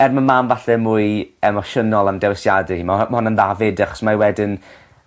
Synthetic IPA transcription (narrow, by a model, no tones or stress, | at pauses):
ɛrmamaːmvaɬɛmʊːɨɛmɔʃənɔlˠamdɛwɛsjadiimamahɔnənðavɪdaχɔ̥smawɛdɪn